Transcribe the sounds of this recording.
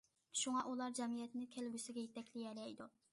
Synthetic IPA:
ʃuŋɑʔulˠɑɾd͡ʒɛmijɛt̪nɪkʲʰɛlbʲysɪɡʲɛjet̪ɛkʲlɪjɛlɛjd̪u

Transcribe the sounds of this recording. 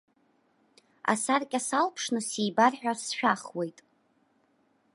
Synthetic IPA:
a̰sarkʲʼasalpʰʂnɨsijbarħᶣasʃᶣaχwe̞jtʼ

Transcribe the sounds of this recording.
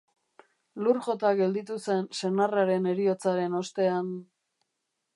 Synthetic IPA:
lurʝo̞t̪aɣe̞ld̪it̪use̞nse̞naraɾe̞ne̞ɾio̞t͡saɾe̞no̞st̪e̞an

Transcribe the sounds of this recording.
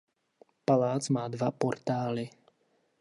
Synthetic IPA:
palaːt͡smaːd̪vapɔɾt̪aːlɪ

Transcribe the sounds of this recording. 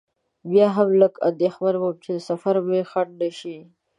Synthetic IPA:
bjɑɦamləka̰d̪exwaɾwawt͡ʃeəsafaɾmexaʈ̚naʃi

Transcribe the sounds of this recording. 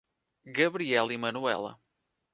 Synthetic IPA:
ɣɐβɾiɛlˠimɐnuɛ̰lˠɐ̰

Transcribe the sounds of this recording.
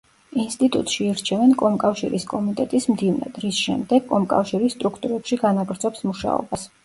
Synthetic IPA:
inst̪ʼit̪ʼṵt̪ʼʃiːɾt͡ʃʰɛvɛnkʼɔmkʼafʃḭɾiskʼɔmit̪ʼɛt̪ʼismd̪ivna̰d̪ɾisʃɛ̰md̪ɛɡ̥kʼɔmkʼa̰fʃiɾisːt̪ʼɾukʰt̪ʼuɾɛpʃiɡanaɡɾd̪zʼɔpsmuʃa̰ɔ̰bas

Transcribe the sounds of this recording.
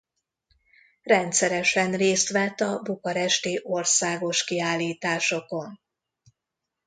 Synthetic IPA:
rɛnt̪sɛɾɛʃɛnreːst̪ʋɛt̪ːɒbukɒɾɛʃt̪iːʔo̞rsaːɡo̞ʃkiaːlːiːt̪aːʃo̞ko̞n

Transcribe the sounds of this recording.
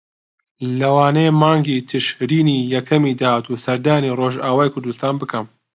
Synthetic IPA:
lɐwaːnejmaːŋɡiːt̪ʰɨʃɾiːniːjɛkʰɐmiːd̪aːt̪uːsɐɾd̪aːniroːʒaːwaːjkʰʊɾd̪ust̪aːnbɨkʰɐm

